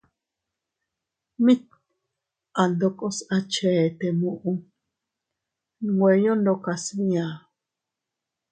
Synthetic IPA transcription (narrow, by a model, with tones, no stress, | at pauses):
mĩ˦t̪̚ | a˨nd̪o˧ko˦sa˦t͡ʃe˨t̪e˨mũ˧˨ʔũ˦ | ɡwʷe˨jo˦ndo˧ka˧snĩ˦ã˨